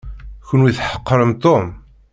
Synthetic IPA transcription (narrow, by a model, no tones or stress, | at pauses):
kːʊnwiθħə̥qːɾəmt̪ˤom